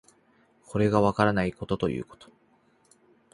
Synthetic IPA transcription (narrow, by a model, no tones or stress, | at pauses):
kʰo̞ɾe̞ɡaβ̞akaɾanaiko̞t̪o̞t̪o̞jɯ̟ːko̞̥t̪o̥